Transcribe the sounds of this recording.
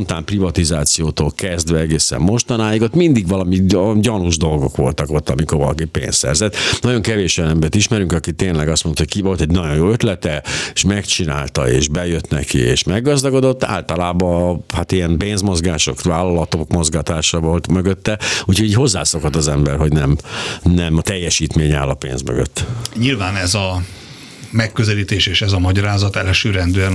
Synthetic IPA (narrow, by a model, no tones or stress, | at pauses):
ont̪aːmprivɒt̪izaːt̪sijoːt̪oːlkɛzd̪ʋɛɛɡeːsɛ̰mːo̞ʃt̪ɒnaːjiɡot̪mind̪iɡʋɒlɒmiɟɒnuʒd̪o̞lɡo̞kʋo̞̰lt̪ɒko̞lt̪ɒmiko̞ɾʋɒlɒ̰kipḛːnsːɛ̰rzɛt̪nɒɟo̞ŋkɛveːʃojɒnɛmbɛrt̪iʃmɛɾyŋkɒkit̪eːnlɛɡɒst̪mont̪hckivo̞lt̪ɛɟnɒɟojoːøt̪lɛt̪ɛʃmɛkt͡ʃina̰ːlt̪ɒ̰ḛːʒbɛjøt̪nɛ̰kḭḛːʃmɛɡːɒzd̪ɒɡo̞d̪o̞t̪ːa̰ːlt̪ɒlaːbɒhat̪ijɛmpeːnzmo̞zɡaːʃo̞̰kʋaːlːɒlɒt̪okmozɡat̪aːʃɑvolt̪møɡøt̪ːɛucʰho̞ɟiːcho̞zːaːso̞kot̪ːɒzɛmbɛrɦo̞ɟnɛmnɛmt̪ɛjːɛʃiːt̪meːɲa̰ːlːɒpḛːnzmø̰ɡø̰t̪ːɲilvaːnɛzɒ | mɛkːøzɛliːt̪eːʃeːʃɛzɒmɒɟɒɾaːzɒt̪ɛlɛʃøːɾɛnd̪øɛn